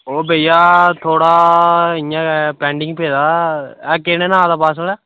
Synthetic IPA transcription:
oːbeɪjaːt̪ʰoːɽaːɪɲãːpɛ̃ːɳɖɪŋɡpeːd̪aːɛːkeːneːnãːd̪aːpaːs̬əlɛː

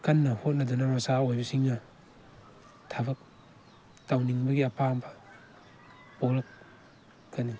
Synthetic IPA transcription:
kɐnːɐhot̚nɐdɐnɐmasaojbɐsiŋːɐ | tʰabɐk̚ | tawniŋbɐɡiɐpʰambɐ̥ | bolɐk̚ | kani

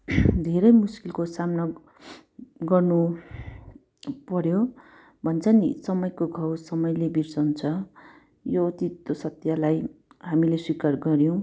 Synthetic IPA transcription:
d̪ʱeɾʌjmuskilkosamnʌ | ɡʌrnu | pʌɾjo | bʱʌnt͡sʰʌnḭsʌmʌjkoɡʱawsʌmʌjlebirsʌunt͡sʰʌ | jot̪it̪ːosʌt̪jalajɦamileswikarɡʌɾjõw̃

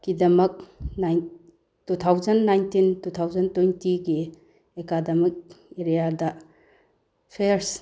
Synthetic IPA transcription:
ɡ̥idɐmɐk̚najn | tutʰawzɐnːajntintutʰawzɐntojntiɡi | ekadɐmɐk̚eɾijadɐ | pʰeɾs

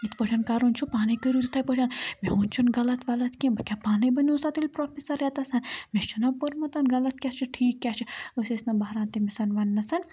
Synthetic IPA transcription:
it̪ʰpəʈʰʲaːnkaːɾunt͡ʃʰupaːnɐjkəɾuɾit̪ʰaːjpəʈʰʲjaːnmeɦunt͡ʃʰunɡɐlɐt̪ʋɐlɐt̪kʲẽbɐkʲapaːnɐjbɐniusaːt̪ilʲpɾoːpisɐɾɛt̪asɐnmʲest͡ʃʰunɐpɐɾmɐt̪ɐnɡɐlɐt̪kʲat͡ʃʰiʈʰiːkːʲaːt͡ʃʰiosʲesnɐbɐɦɾaːnt̪imisɐnʋɐnːɐsɐn

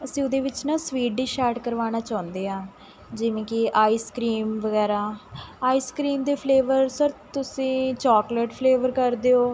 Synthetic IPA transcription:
əsĩːʊd̪eːʋɪt͡ʃnãːsʋiːʈ̚d̪iːʃaːɾʈkəɾʋaːɽ̃aːt͡ʃãːnd̪eːãː | d͡ʒɪʋẽːkɪʔaːiːskɾiːmʋəɡɛːɾaːaːiːskɾiːmd̪eːpʰleːʋəɾsəɾt̪ʊsĩːt͡ʃɔːkleːʈpʰleːʋəɾkəɾd̪eːoː

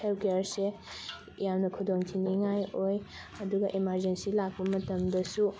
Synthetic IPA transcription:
elpʰkejaɾse | jamnɐkʰudoŋtʰiniŋajoj | ɐduɡɐʔimaɾd͡ʒensilak̚pɐmɐtɐmdɐsu

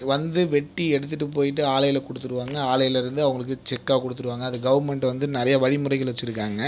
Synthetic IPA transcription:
ʋɐnd̪ɯʋɛʈːiɛɽɯt̪ːɯʈːɯpoːjɪʈːɯaːlɐjɐlkɔɽɯt̪ːɯɾɯʋaːŋɡɐaːlɐjɐlɪɾɯnd̪ɯɐʋɐŋɡɐɭɯkːɯt͡ʃɛkːaːkɔɽɯt̪ːɯɾɯʋaːŋɡɐːðɯɡɐʋɐɾmɛɳʈʋɐnd̪ɯnɪɾɐjɐʋɐɻimʊrɐɪkːɐlʋɛt͡ʃːɪɾɯkːaːŋɡɐ

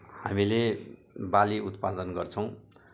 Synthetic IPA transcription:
hamile | baliut̪pad̪ʌnɡʌrt͡sʰʌw̃

